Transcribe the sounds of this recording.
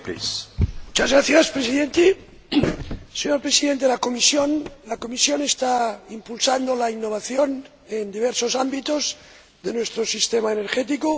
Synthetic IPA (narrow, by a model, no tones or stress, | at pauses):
pḭsmmut͡ʃazɣɾaθjaspɾesiðent̪e | seɲoɾpɾesiðent̪eelako̞misjonlako̞misjo̞nest̪aimpulsand̪olainːo̞β̞aθjo̞n | end̪iβ̞eɾso̞sambit̪oz | ðenwe̞st̪ɾosist̪emaeneɾxet̪̬iko